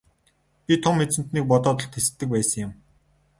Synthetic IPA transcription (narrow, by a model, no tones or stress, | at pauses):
pʲit̪ʰʊmet͡sɘ̆n̥t̪niːk̚pɔt̪ɔːt̪ɞ̆ɬt̪xesɘ̥̆t̪ːɘ̆k̚pæːsə̆ŋjʊ̆m